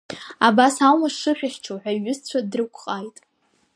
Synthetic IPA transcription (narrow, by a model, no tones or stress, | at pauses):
abasawmaʂɨħᶣaχʲt͡ʃʰoħʷᶣaɥʊzt͡sʷʰadrɨkʷʰʼχʼajtʼ